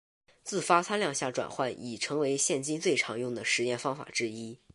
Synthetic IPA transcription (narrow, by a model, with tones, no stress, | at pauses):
t͡sɹ̩˥˩fa˥t͡sʰa˥nljɑ˥˧ŋɕja˥˩ʈ͡ʂwa̰˨˩nxwa˥˩ni˨˩ʈ͡ʂʰɤ˧˥ŋwe˧˥ɪɕjɛ˥˩nt͡ɕi˥nt͡swe˥˩ɪʈ͡ʂʰɑ˧˥ŋjʊ˥˩ŋd̪ə˩ʂɻ̩˧˥jɛ˥˩nfɑ˥ŋfa̰˨˩ʈ͡ʂɻ̩˥i˥